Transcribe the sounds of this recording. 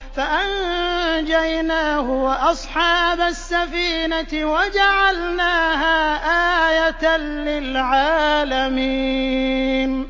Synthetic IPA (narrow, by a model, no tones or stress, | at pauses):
faʔand͡ʒajnaːhʊwʔɑsˤħɑːbasːafiːnaɪwad͡ʒaʕalnaːɦaːʔaːjat̪anlɪlʕaːlami | n